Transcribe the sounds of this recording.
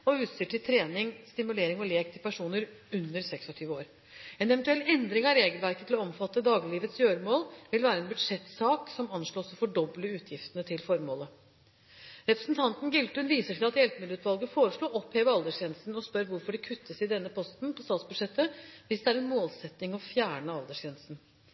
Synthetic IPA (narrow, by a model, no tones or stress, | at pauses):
ɔʉːt̪siːʈʰɪlt̪ʰɾeːnɪŋst̪ɪmʉleːɾɪŋɔleːk̚t̪ʰɪlpʰæʂuːnəɾ | ʉnːəɾsɛksɔt̪ʰyːʋəoːɾ | ɛnɛʋɛnt̪ʉɛlːɛnd̪ɾɪŋɑɾeːɡəlʋæɾkət̪ʰɪlɔɔmfɑt̪ːəd̪ɑːɡɪliːʋət̪sjøːɾəmoːlʋɪlʋæːɾəɛnbʉd̪ʂɛt̪ːsɑːksɔmɑnʂɭoːsɔfɔɖɔbləʉːt̪ʰjɪft̪ənət̪ʰɪlfɔɾmoːlə | ɾɛpɾə̥sn̩t̪ʰɑnt̪nɡɪlt̪ʉnʋiːsəʈʰæɑt̪jɛlpmɪd̪əʉːt̪ʋɑlˠɡəfoːɾəʂɭuːʔɔpheːʋəɾɑld̪əʂjɛːnst̪n̩ɔspœɾʋʊɾfɔɖɛkʰʉt̪ʰːəsɪd̪ɛnːəpʰɔst̪npʰɔst̪ɑːt̪sbʉd̪ʂɛt̪ːəʋɪsd̪ɛæɾɛnmoːlsɛt̪nɪŋɔfjæːɳəɑld̪əʂɛːnst̪n̩